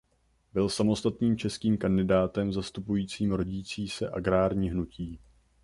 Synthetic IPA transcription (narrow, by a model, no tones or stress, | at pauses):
bɪlsamo̞st̪at̪niːmt͡ʃɛskiːmkandɪdaːt̪ɛmzast̪upujiːt͡siːmɾo̞ɟiːt͡siːsɛ̰ʔaɡɾaːɾɲiːɦnuciː